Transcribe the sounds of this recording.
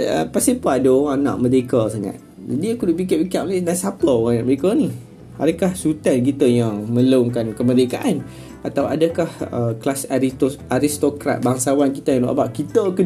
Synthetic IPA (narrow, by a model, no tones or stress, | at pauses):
ə̰pasipəadəoɾanã̰ʔmədekəsaŋa̰t̪̚ | d͡ʒadiakudoʔpik̬iʔpikaʔolenasapəoanaʔməɾekəni | a̰dəkahsut̪ank̬it̪əjaŋmə̃ləŋkankəmədekaʔan | ʔat̪awadəkahə̰klasaiaɾist̪okɾa̰t̪̚baŋsawankit̪ajaŋluʔa̰baʔkit̪əkə